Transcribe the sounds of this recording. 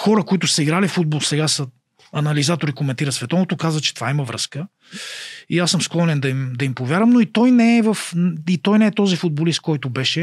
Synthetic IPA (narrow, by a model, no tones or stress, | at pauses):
xɔɾəkoit̪ʊsəiɡɾalifud̪̚bolˠsɛɡasə | ɐnɐlizat̪oɾikomɛnt̪iɾəsvɛt̪ɔnot̪okazvət͡ʃɛ̥t̪ovaiməvɾə̰skə | iasːɤmsklˠɔnɛnd̪ɐimd̪ɐimpovʲjaɾəmnoit̪ɔjnɛɛvəfit̪ɔjnɛɛt̪ɔzifʊd̪̚bolist̪̚kɔjt̪ʊbɛʃɛ